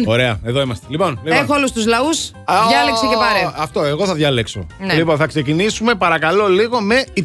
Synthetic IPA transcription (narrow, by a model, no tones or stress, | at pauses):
o̞ɾe̞ɐeðo̞imɐst̪elipo̞nliexoolust̪uzlɐus | jɐleksecepɐɾeɐft̪o̞eɣo̞θɐðʝɐlekso̞̰nliponθɐkse̞cinisume̞pɐɾɐkɐlo̞liɣo̞me̞i